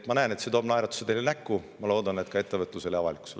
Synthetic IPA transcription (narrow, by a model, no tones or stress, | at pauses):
t̪mɑnæene̞t̪set̪o̞ːb̥nɑjɾɑt̪ːu̥set̪elenækːumɑlo̞ːd̪̥ɑnet̪kɑe̞t̪ːevɤt̪ˑluse̞leɑvɑlikˑu̥s